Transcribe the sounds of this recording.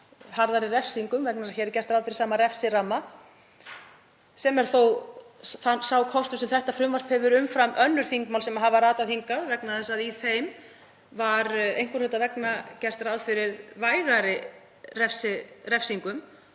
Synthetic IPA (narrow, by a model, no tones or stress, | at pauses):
haɾðaɾɪrɛfsiŋkʏmvɛknaçɛɾɾcɛr̥t̪ɾaːðfɪɾɪ̥saːmaɾɛfsɪɾamːa | sɛmɛɾ̥θowθansawkʰɔst̪ʏsɛmθɛht̪afɾʏmvaɾ̥phɛvʏɾʏmfɾamʔœnːʏɾ̥θiŋkmawlsɛmaɦavaɾaːt̪aθiŋkaðvɛknaðθɛsːaðiθejm | vaɾejŋ̥kʏɾlɪt̪avɛknacɛr̥t̪ɾaðfɪɾɪðvaːjɣaɾɪ | rɛfsɪrɛfsiŋkʏm